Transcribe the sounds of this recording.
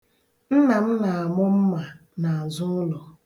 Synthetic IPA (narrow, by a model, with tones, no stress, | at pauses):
n̩˦na˨m̩˦na˨a˨mʊ˦m̩˦ma˨ | na˨zʊ˦n̩˦lɔ˨